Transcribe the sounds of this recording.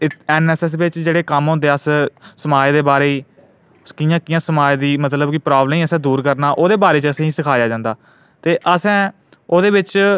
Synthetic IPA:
ɛːnɛːsɛːs̬ʋɪt͡ʃd͡ʒeːɽeːkəmɦõːnd̪eːəssəmaːd͡ʒd̪eːbaːɾeːiː | kɪjãːkɪjãːsəmaːd͡ʒd̪iːmət̪ləbkɪpɾaːbləmiːəsɛ̃ːd̪uːɾkəɾnaːʔoːd̪eːbaːɾeːt͡ʃəsẽːiːsɪkʰaːjaːd͡ʒãːnd̪aː | t̪eːʔəsɛ̃ː | oːd̪eːbɪt͡ʃ

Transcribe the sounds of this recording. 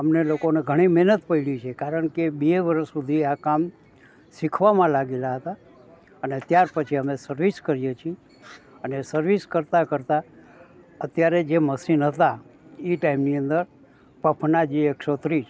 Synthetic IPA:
əmnelokoneɡʱəɽ̃imɛɦnət̪pəiɽit͡ʃʰekaɾəɳ̃kebeʋəɾəʃːud̪ʱiakam | sikʰʋamãlaɡelaɦət̪a | ənet̪jaɾpət͡ʃʰiəmesəɾʋiskəɾjet͡ʃʰie | ənesəɾʋiskəɾt̪akəɾt̪a | ət̪jaɾed͡ʒeməsinɦət̪aiʈaimniənd̪əɾ | pəpʰnad͡ʒieksot̪ɾit͡ʃʰ

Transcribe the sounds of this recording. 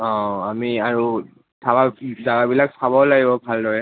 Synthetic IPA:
ɔ̃amiaɹu | tʰabazaɡabilaksabɔlaɡibɔbʱaldɔɹɛ

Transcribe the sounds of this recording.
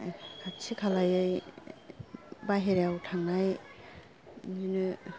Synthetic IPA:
at͡ʃʰikʰalajɯj | baɦeɾawtʰaŋnaj | zinɯ

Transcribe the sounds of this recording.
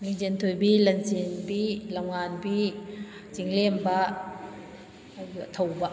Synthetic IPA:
liŋd͡ʒent̪ʰojbilɐnt͡ʃenbilawŋanbi | t͡siŋlembɐ | t̪ʰɐwba

